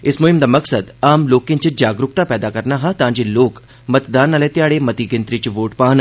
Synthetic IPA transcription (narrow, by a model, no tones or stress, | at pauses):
ɪsmʊɦɪmd̪amɐksəd̪aːmloːkɪ̃t͡ʃid͡ʒaːɡɾʊkt̪apɛːd̪akɐɾnaɦat̪ãːd͡ʒiloːk | mɐt̪d̪aːnaːlet̪jaːɽemɐt̪iɡɪnt̪ɾit͡ʃʋoːʈpaːn